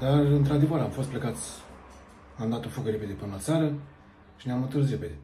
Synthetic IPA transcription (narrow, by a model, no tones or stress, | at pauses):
d̪arɨnt̪ɾad̪e̞vəɾamfo̞st̪plekat̪sʲ | amd̪at̪o̞fukəɾepe̞d̪epɨnəat̪saɾə | ʃineamɨnt̪ɨsɾeped̪e̞